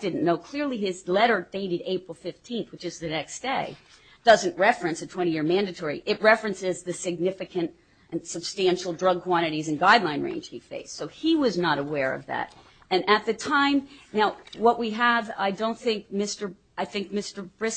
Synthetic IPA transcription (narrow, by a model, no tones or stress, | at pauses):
d̥ɪdⁿn̩noʊkʰl̥ɪɹlˠiɪzlɛɾə˞d̥eɪɾɨɾeɪpɹl̩ˠfɪftʰĩnθwɨt͡ʃɨzðɨnɛksd̥eɪ | d̥ʌzɨ̃nʔɹɛfɹɨ̃nsɨtʰw̥ɛ̃ɾ̃ijɪɹmæ̃ndɨtʰɔɹḭʔɨt̚ɹɛfɹɨ̃nsɪzðɨsɨɡ̚nɪfɨkʰɨ̃nt̚ | ʔɨ̃nsɨb̥stæ̃nʃl̩ˠdɹʌɡ̚kʰw̥ɑɾ̃ɨɾizɨ̃nɡaɪdˡlãɪ̃nɹḛ̃ɪ̃nʒ̥hifḛɪssoʊiwʌznəɾəwɛɹʌ̰vðæ̰ɾ | ɨ̃nʔɨt̪̚ðɨtʰãɪ̃mnaʊwʌʔ̚wiəva̰ɪdõʊ̃nθɪ̃ŋk̚mɪstə˞ | aɪθɪ̃ŋk̚mɪstə˞bɹɪ